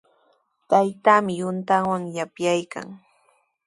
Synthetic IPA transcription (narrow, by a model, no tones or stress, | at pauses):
t̪ajt̪aːmɪjʊnt̪awaŋjapjajka̰ŋ